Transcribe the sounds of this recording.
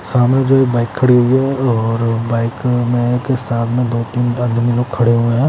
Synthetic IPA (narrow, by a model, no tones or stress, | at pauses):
saːmẽd͡ʒoːibaːɪkʰːɐɽiɦʊiɦɛɔːɾbaːɪkmẽkeɪsaːbmẽd̪oːt̪iːnad̪miloːɡ̚kʰːɐɽeɦuẽɦɛ̃ː